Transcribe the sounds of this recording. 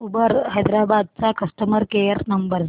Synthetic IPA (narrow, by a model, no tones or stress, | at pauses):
ubəɾhɐjd̪ɾabad̪̚t͡sakɐsʈəməɾkejəɾnɐmbəɾz